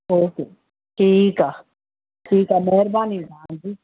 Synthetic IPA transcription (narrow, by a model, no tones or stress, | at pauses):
oːkeː | ʈʰiːkaː | ʈʰiːkaːmɛɦɾbaːniɡãːd͡ʒiː